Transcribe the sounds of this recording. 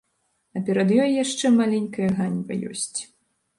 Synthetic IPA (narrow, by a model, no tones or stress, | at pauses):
ɐpʲɛɾɐd̪jɔjjaʂt͡ʂɛmalʲɛnʲkɐjɐɣanʲvɐ̰jɔ̰sʲt͡sʲ